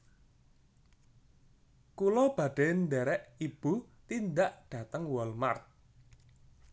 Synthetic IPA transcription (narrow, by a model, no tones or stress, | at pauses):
kulɔb̥ä̤ɖ̥ɛnd̪ɛɾɛʔib̥ut̪ind̪aʔɖ̥ä̤t̪əŋwɔlmart̪̚